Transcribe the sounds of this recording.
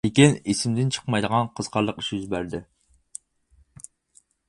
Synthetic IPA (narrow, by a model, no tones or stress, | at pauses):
ɪkʲinesɪmd̪ɪnt͡ʃʰə̥qmɑjd̪əʁɑnqʰəz̥qʰɑɾlˠəqi̥ʃjyzbæɾd̪ɪ